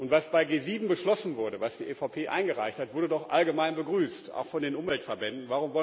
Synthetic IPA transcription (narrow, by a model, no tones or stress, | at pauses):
ʔʊntv̥asb̥aɪɡeːziːbm̩bəʃlɔsn̩vʊɐdəvasd̥iːʔefapʰeːʔa̰ɪnɡəʁa̰ɪçthatvʊɐdədɔχʔa̰lɡəmaɪnbəɡʁyːsta̰ʊxfɔndeːnʔʊmvɛltfɛɐbɛndn̩vaʁ̞ʊmvɔ